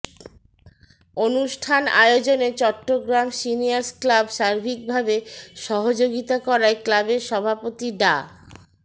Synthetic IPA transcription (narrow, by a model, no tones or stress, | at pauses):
onuʃʈʰana̰jod͡ʑonet͡ɕɔʈːoɡɾamsinijaɾsklabʃaɾbʱik̚bʱabeʃɔɦod͡ʑoɡit̪akɔɾaeklabeɾʃɔbʱapot̪iɖa